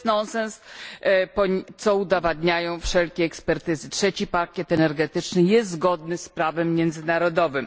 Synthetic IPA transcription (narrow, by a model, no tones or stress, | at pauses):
nɔnsɛns | pɔtt̪sɔud̪avad̪ɲajɔ̃w̃fʂɛlkʲɛːkspɛɾt̪ɘzɘtʂɛt͡ɕipakʲɛt̪ɛnɛɾɡɛt̪ɘt͡ʂnɘjɛst̪zɡɔd̪nɘspɾavɛmːjɛnd̪zɘnaɾɔd̪ɔvɘm